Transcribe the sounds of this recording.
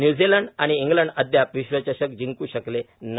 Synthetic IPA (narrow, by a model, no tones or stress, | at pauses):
njuːd͡ziləɳɖaɽ̃iːŋɡləɳɖəd̪ʱjapʋiɕʋət͡ɕaɕək̚d͡ʑiŋkuːɕəkle | n